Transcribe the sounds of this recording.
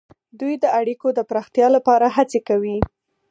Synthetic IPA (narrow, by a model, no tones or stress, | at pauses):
d̪ujd̪əaɽikod̪əpɾɑxt̪jɑlapɑɾaɦat͡sekawi